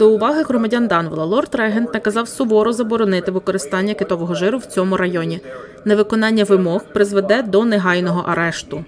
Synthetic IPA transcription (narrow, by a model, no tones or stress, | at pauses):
d̪ɔʊʋɑɦɪɦɾɔmɐdʲɑnd̪ɑnʋlˠɐlˠɔrt̪ɾɛɦent̪nɐkɐzɑwsʊʋɔɾʊzɐbɔɾɔnɪt̪ɪʋɪkɔɾɪst̪ɑnʲːɐkɪt̪ɔʋɔɦɔʒɪɾʊwt͡sʲɔmʊɾɐjɔnʲi | neʋɪkɔnɑnʲːɐʋɪmɔxpɾɪzʋed̪ɛd̪ɔneɦɑjnɔɦɔʔɐɾɛʃt̪ʊ